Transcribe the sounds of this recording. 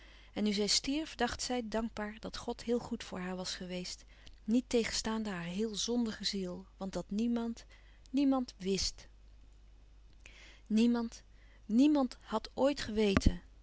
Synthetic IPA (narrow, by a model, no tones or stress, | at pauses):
ɛnːyzɛjstiɹfdɑχtsɛjdɑŋɡ̚baːɹdɑtχɔtɦɪːlˠχutfʊːɹɦaːɹʋɑsχəʋejst | nitejχənstaːndəɦaːɹɦɪːlˠzɔndəχəzilˠʋɑndɑtnimɑnt | nimɑntʋɪst | nimɑnt | nimɑntɦɑtoːjtχəʋejtʰən